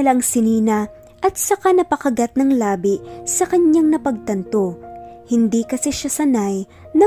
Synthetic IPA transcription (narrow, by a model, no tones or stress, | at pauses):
lɐŋsɪniːnɐ | ʔɐt̪̚t͡ʃɐkanɐpɐkɐɡat̪̚nɐŋlaːbɪsɐkɐɲaŋnɐpɐɡ̚t̪ɐnt̪o̞hɪnd̪ikɐsɛʃasɐnaj | nɐ